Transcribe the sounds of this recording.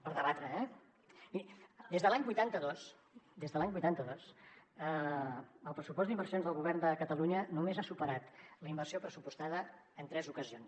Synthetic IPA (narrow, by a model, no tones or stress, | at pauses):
pəɾðəβat̪ɾəɛ | mid̪ezðəlaɲbujt̪ant̪əðos | d̪ezðəlaɲbujt̪ant̪əðosə | əlˠpɾəsupɔsd̪imbərsijonðəlˠɣuβ̞ɛrnd̪əkət̪əluɲənumezasupəɾat̪ləimbərsiopɾəsupust̪aðə | ənt̪ɾɛzukəzions